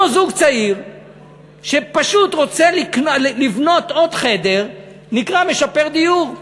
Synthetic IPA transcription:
ozuɡt͡saiʁ | ʃepaʃut̪ʁo̞t͡seliknlivno̞t̪o̞d̪χe̞d̪e̞ʁ | nikʁame̞ʃape̞ʁd̪ijuʁ

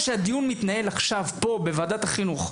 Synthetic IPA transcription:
ʃead̪ijunmit̪nae̞laχʃavpo̞be̞vaːd̪at̪haχinuχ

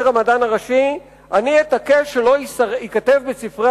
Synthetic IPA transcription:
ʁamadanaʁaʃi | ʔanietakeʃelo̞isikatevbesifʁe

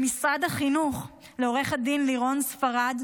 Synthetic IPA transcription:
misʁadhaχinuχ | leo̞ʁe̞χhad̪inliʁo̞nsfaʁad̪

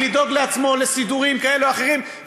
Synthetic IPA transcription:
lid̪o̞ɡle̞at͡smo̞le̞sid̪uʁimkae̞luaχe̞ʁim

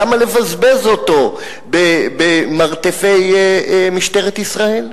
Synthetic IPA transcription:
amalevazbe̞zot̪o̞ | bebemaʁt̪efejmiʃt̪eʁet̪isʁae̞l

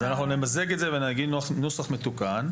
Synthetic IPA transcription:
zanaχnunemaze̞ɡet̪zevenaɡid̪nnusaχme̞t̪ukan

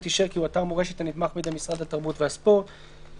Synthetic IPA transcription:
t̪iʃeʁkiuat̪aʁmoeʃet̪anit̪maχmid̪amisʁad̪ataʁbutvehaspo̞ʁt̪

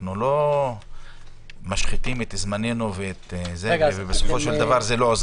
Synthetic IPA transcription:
nulo̞ | maʃχit̪imet̪zmanenuveet̪zevebesofo̞ʃeld̪avaʁzelo̞ːz

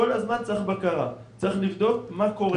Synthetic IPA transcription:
olazmant͡saiχbakaʁa̰t͡saiχlivd̪o̞kmako̞ʁe

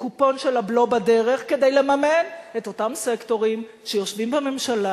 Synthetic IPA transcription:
kupo̞nʃelablo̞bade̞ʁe̞χke̞dejle̞mameneto̞tamsekto̞ʁim | ʃejo̞ʃvimbame̞mʃala

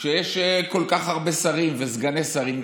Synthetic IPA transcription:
ʃejeʃko̞lkaχaʁbesaʁimvezɡanesaʁim

